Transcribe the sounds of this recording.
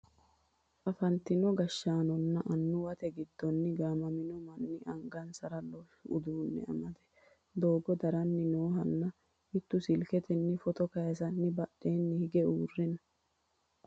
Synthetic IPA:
kɐfɐnt̪ɪnɔɡɐʃːaːnɔnːɐʔɐnːʊwɐt̪ɛɡɪd̪ːɔnːɪɡaːmɐmɪnɔmɐnːɪʔɐŋɡɐnsɐɾɐlːɔ | ʊ̰d̪uːnːɛ̰ɐ̰mɐd̪ɛ̥ | d̪oːɡɔd̪ɐɾɐnːɪnoːɦɐnːɐ | hɪt̪ːʊsɪlkɛt̪ɛnːɪfɔt̪ɔkɐjɐsɐnːɪbɐɗe̞ːnːɪhɪɡɛuːrːɪnɐ

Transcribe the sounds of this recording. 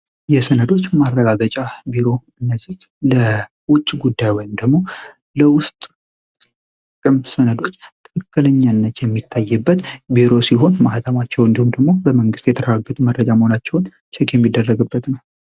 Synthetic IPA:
jɛsənəd̪o̞t͡ʃːmarːəɡaɡət͡ʃʼabiɾo̞ɨnːəzɨt̪lə | wʊt͡ʃʼːɡud̪ːajwɔjmd̪əɡmo̞ | ləwʊst̪ʼ | kʼːɨmsənəd̪o̞t͡ʃːt̪ʰɨkʰɨkːɨləɲːanːət̪jɛmːit̪ʰːajːɨbːət̪biɾo̞siɦo̞nmaht̪ʰʼəmat͡ʃːɛwɨnd̪ihumd̪əɡmo̞bəməŋɡɨst̪jɛt̪ʰəɾəɡaɡːət̪ʼumərːəd͡ʒaməhonat͡ʃːɛwn | t͡ʃʰɛkʼjɛmːid̪ːərːəɡɨbːət̪nəw

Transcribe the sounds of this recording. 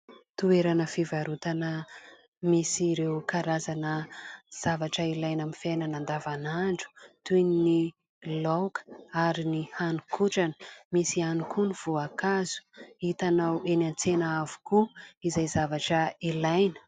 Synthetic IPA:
t̪ueɾanəfivaɾut̪anə | misiɾewkaɾazanəz̥avaʈ͡ʂəilajnamifajnənand̪avanaɳɖ͡ʐu̥t̪ujnini | lowkə̥aɾinihanukʰuʈ͡ʂanə̥misianukʰuniv̥uakazu̥it̪anawenant͡senaavu̥kuizajzavaʈ͡ʂəilajnə̥

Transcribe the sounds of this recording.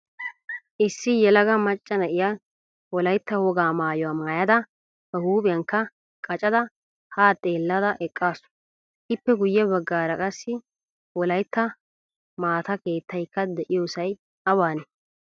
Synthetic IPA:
ʔɪsːɪjɛlɐɡɐmɐt͡ʃʼːɐnɐʔɪja | wɔlɐjt̪ːɐhɔɡaːmaːjɔwaːmaːjɐd̪ɐ | bɐhuːbʼɪjɐŋkːɐ | kʼɐt͡ʃʼɐd̪ɐ | haːt̪ʼe̞ːlːɐd̪ɐʔɛkʼːaːsʊ̥ | ʔɪpːɛɡʊjːɛbɐɡːaːɾɐkʼɐsːɪ | wɔlɐjt̪ːɐ | maːt̪ɐke̞ːt̪ʰːɐjkːɐd̪ɛʔɪjoːsɐj | ɐwaːnɛ

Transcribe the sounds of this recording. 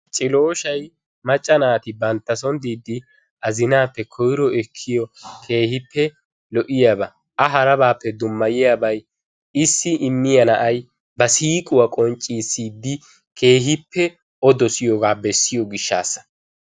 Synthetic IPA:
t͡ʃʼɪlo̞ːʃɐj | mɐt͡ʃʼːɐnaːt̪ɪbɐnt̪ːɐsɔnd̪iːd̪ːɪ | ʔɐzɪnaːpːɛkʰɔjɾɔɛkʰːɪjɔkʰe̞ːhɪpːɛ | lɔʔɪjabɐ | ʔɐɦɐɾɐbaːpːɛd̪ʊmːɐjɪjaːbɐj | ɪsːɪʔɪmːɪjɐnɐʔɐj | bɐsiːkʼʊwɐkʼɔnt͡ʃʼːiːsiːd̪ːɪ | kʰe̞ːɦɪpːɛ | ɔd̪ɔsɪjɔɡaːbɛsːɪjɔɡɪʃːa̰ːsːɐ̥

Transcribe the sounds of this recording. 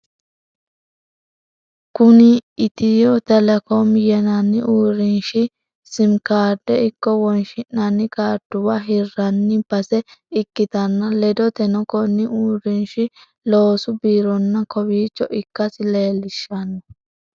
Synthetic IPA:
kʊnɪːt̪ɪjɔt̪ɛlɛkomjɛnɐnːɪʔuːɾɪnʃɪ | sɪmkaːɾd̪ɛɪkːɔwɔnʃɪnːɐnːɪkaːɾd̪ʊwɐɦɪrːɐnːɪb̥ɐsɛɪkːɪt̪ɐnːɐlɛd̪ɔt̪ɛnɔkɔnːɪʔuːɾɪnʃɪ | loːsʊbiːɾɔnːɐkɔbiːt͡ʃːɔʔɪkːɐsɪleːlɪʃːɐnɔ

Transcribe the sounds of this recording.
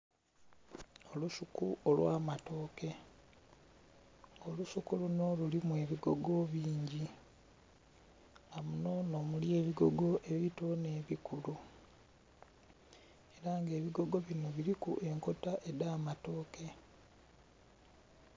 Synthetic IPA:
o̞lusukuʔolwʔaːmato̞ːke̞ | ŋolusukuluno̞lulimwe̞ːβiɡo̞ɡo̞βiːɲɟi | amuno̞no̞mulje̞ːβiɡo̞ɡo̞ʔe̞βitone̞ːβikulu | eɾaŋɡe̞ːβiɡo̞ɡo̞βino̞βiɾikṵʔe̞ŋko̞taʔedaːmato̞ːke̞

